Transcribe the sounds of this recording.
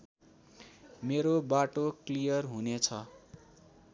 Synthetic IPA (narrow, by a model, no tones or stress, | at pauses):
meɾobaʈoklijʌrɦunet͡sʰʌ